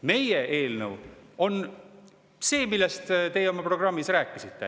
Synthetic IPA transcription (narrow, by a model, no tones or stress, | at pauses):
me̞jeʔe̞ːlnəwo̞n | se̞ːmilːest̪t̪e̞jeo̞mɑpro̞ɡ̥rɑmːisræːkːˑisit̪ːḛ